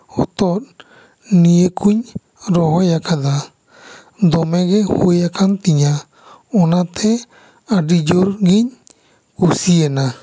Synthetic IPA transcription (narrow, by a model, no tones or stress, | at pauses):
o̰t̪oɾ | niekʰuɲ | ɾoɦojakʰad̪a | d̪omeɡehwejakʰant̪iɲa | onãt̪ʰe | aɖid͡ʒoɾɡiɲ | kusiena